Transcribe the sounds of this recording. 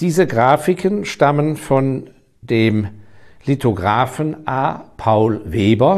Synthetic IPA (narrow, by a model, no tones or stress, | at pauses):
d̥iːzəɡʁaːfɪkʰənʃtamənfɔn | deːmlitʰoɡʁaːfn̩ʔaːpʰaʊlveːbɐ